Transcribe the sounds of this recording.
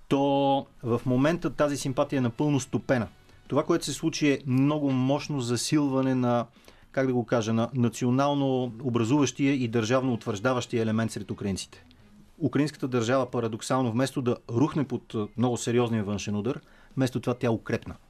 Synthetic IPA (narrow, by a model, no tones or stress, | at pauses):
t̪ɔvɐfmomɛnt̪ət̪azisimpat̪ijəɛnɐpɤlˠnost̪opɛnə | t̪ovakoɛt̪ʊ̥sɛslˠut͡ʃiɛmnɔɡʊmɔʃnozɐsilˠvɐnɛnɐ | kaɡd̪ɐɡokaʒənɐnɐt̪sionalˠnoobɾɐzuvəʃt̪iəid̪ɐɾʒavnoːt̪vəɾʒd̪avɐʃt̪iəɛlɛmɛnt̪sɾɛt̪ukɾɐint̪si̥t̪ɛ̥ | ukɾəinskə̥t̪əd̪əɾʒavəpɐɾɐd̪oksalˠnovmɛst̪od̪ɐɾuxnɛpot̪mnɔɡʊsɛɾiɔzniəvɤnʃɛnud̪əɾ | mɛst̪ot̪ovat̪ʲjaɛʊkɾɛpnə